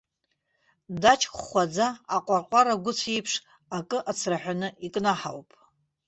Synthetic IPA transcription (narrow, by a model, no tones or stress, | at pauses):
dat͡ʃʰʼkχʷad͡zaːqʷʼaqʷʼaɾaɡʷʊt͡sʰejpʰʂ | akʼɨʔat͡sʰraħʷᶣanɨikʼnaħa̰wpʼ